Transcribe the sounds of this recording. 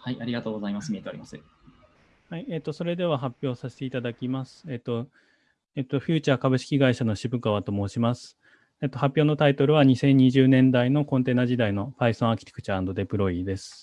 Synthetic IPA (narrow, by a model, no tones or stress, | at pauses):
haiʔaɾʲiɡat̪o̞ːɡozaimasɨmʲie̞t̪eoɾʲimasɨ | haiet̪ːo̞so̞ɾe̞d̪e̞β̞aɦapʲjo̞ːsase̥t̪eit̪ad̪akʲimasɨ̥e̞t̪ːo̞ | et̪ːoɸʲɨːt͡ɕaːkabɯ̟ɕi̥kʲiɡaiɕano̞ɕibɯ̟kaβ̞at̪omo̞ːɕimasɨ̥ | et̪ːo̞hapʲjo̞ːno̞t̪ait̪o̞ɾɯ̟βaɲ̟isẽ̞ɲ̟ːiʑɨːnẽ̞nd̪aino̞kõ̞nt̪e̞ːnad͡ʑid̪aino̞paisõakʲi̥t̪e̥kɯ̟̥t͡ɕaãnd̪o̞d̪e̞pɯ̟ɾo̞id̪e̞sɨ̥